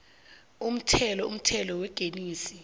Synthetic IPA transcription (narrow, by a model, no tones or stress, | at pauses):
um̩tʰɛlɔum̩tʰɛlɔwɛɡ̥ʱeniːsi